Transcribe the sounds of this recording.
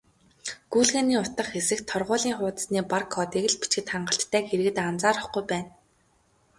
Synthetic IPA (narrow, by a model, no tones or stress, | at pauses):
ɡ̥uːɮɣaːniːʊt̪ə̆χxesɘ̆xt̪ʰɔrʁʊːɮiːŋχʊːt̪ə̥̆sniːparkʰːɔːt̪eɣɘ̆ɮpi̥t͡ɕɡɘ̆t̪χaɴɢə̆ɬt̪ʰːæːxeɾɘ̆ɣɘ̆t̪ant͡saːɾə̆χɡujpæːn